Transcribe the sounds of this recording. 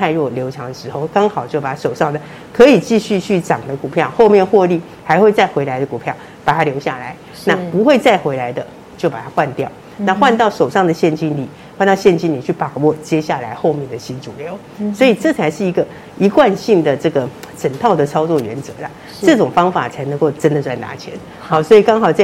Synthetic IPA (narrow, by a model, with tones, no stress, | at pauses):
t̪ʰa˥˧ɪɻwɔ˥˩ljo˧˥ʊʈ͡ʂʰɑ˧˥ŋd̪ə˧ʂɻ̩˧˥xo˥˩ʊkɑ˥ŋxɑ˨˩ʊt͡ɕjo˥˩ʊpa˨˩a˥ʂo˨˩ʊʂɑ˥˩ŋd̪ə˩ | kʰɤ˧˥i˨˩t͡ɕi˥˧ɕy˥˧t͡ɕʰy˥˩ʈ͡ʂɑ˨˩ŋd̪ə˧˦ku˨˩pʰjɑ˥˩ʊxo˥˧ʊmjɛ˥˨nxwɔ˥˧li˥˩ | xa˧˥ɪxwe˥˧ɪt͡sa˥˩ɪxwe˧ɪla˧˥ɪd̪ə˧ku˨˩pʰjɑ˥˩ʊ | pa˨˩t̪ʰa˦˥ljo˧˥ʊɕja̰˥˩la̰˧˦ɪ | na˥˨pu˧˥xwe˥˧ɪt͡sa˥˩ɪxwe˧˥ɪla˧˥ɪd̪ə˧ | t͡ɕjo˥˩ʊpa˨˩t̪ʰa˥xwa˥˧nt̪jɑ˥˨ʊ | na˥˧xwa˥˧nt̪ɑ˥˩ʊʂo˨˩ʊʂɑ˥˩ŋd̪ə˩ɕjɛ˥˩nt͡ɕi˥nli˨˩ | xwa˥˧nt̪ɑ˥˧ʊɕjɛ˥˩nt͡ɕi˥nli˨˩t͡ɕʰy˥˩pa˨˩wɔ˥˩t͡ɕjɛ˥ɕja˥˩la˧˥ɪxo˥˧ʊmjɛ˥˩nd̪ə˩ɕi˥nʈ͡ʂu˨˩ljo˧˦ʊ | swɔ˧˥i˨˩ʈ͡ʂɤ˥˩t͡sʰa˧˥ɪʂɻ̩˥˩i˧˥ɡə˧ | i˧˥kwa˥˧nɕi˥˩ŋd̪ə˩ʈ͡ʂɤ˥˩ɡə˩ʂʰə˨˩nt̪ʰɑ˥˩ʊd̪ə˨˩t͡sʰɑ˥ʊt͡swɔ˥˩ɥɛ̰˧˥nt͡sɤ̰˧˦la˨ | ɤ˥˩ʈ͡ʂʊ˨˩ŋfɑ˥ŋfa̰˨˩t͡sʰa˧˥ɪnɤ˧˥ŋko˥˩ʊʈ͡ʂə˥nd̪ə˨swa˥˩ɪna̰˧˥t͡ɕʰjɛ̰˧˥˦n | ɑ˨˩swɔ˧˥i˨˩kɑ˥ŋxɑ˨˩ʊt͡sa˥˩